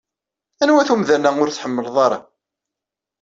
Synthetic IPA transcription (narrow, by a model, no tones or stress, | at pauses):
ænwæθumðænæʊɾθħəmːəlðˤɑɾˤɑ̰